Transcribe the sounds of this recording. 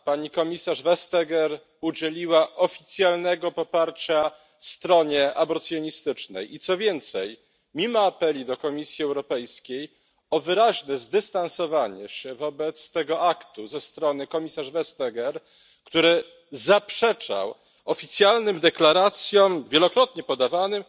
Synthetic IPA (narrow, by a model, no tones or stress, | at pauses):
paɲikɔmʲisaʐvɛst̪ɛɡɛɾ | ud͡ʑelʲiwaʔɔfʲit̪sʲjalnɛɡɔpɔpaɾt͡ɕa | fst̪ɾɔɲɛʔabɔɾt̪sʲjɔɲist̪ɘt͡ʂnɛ̰jit̪sɔvʲjɛnt̪sɛj | mʲimɔapɛlʲid̪ɔkɔmʲisʲjiɛwɾɔpɛjskʲej | ɔvɘɾaʑnɛzd̪ɘst̪ansɔvaɲɛ̰ɕɛvɔbɛt̪st̪ɛɡɔʔakt̪uzɛst̪ɾɔnɘkɔmʲisaʐvɛst̪ɛɡɛɾ | kt̪uɾɘ | zapʂɛt͡ʂa̰w | ɔfʲit̪sʲjalnɘmd̪ɛklaɾat̪sʲjɔ̃mvʲjɛlɔkɾɔt̪ɲɛpɔd̪avanɘm